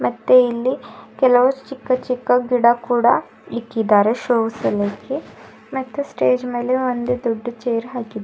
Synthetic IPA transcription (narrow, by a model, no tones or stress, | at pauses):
mɐt̪ːeilːikɛlɐʋɐt͡ʃikːɐt͡ʃikːɐɡiɽakuːɽɐ | ikːid̪aːɾeʃoːʋsɐleːki | mɐt̪ːesʈeːd͡ʒmeːleond̪ed̪oɖːɐt͡ʃejɐɾɦaːkid̪e